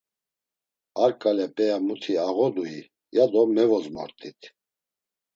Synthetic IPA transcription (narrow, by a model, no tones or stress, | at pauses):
aɾkʼaljapʼɛjamut̪ʰiaɣɔd̪ui | jad̪ɔmɛvɔzma̰ɾt̪ʼit̪ʰ